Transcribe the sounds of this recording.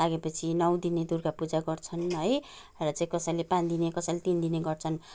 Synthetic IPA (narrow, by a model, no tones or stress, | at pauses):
laɡepʌt͡sʰinʌwd̪ined̪urkapud͡zaɡʌrt͡sʰʌnɦʌj | rʌt͡sãĩkʌsʌjlepãnd̪inekʌsajlet̪ind̪ineɡʌrt͡sʰʌn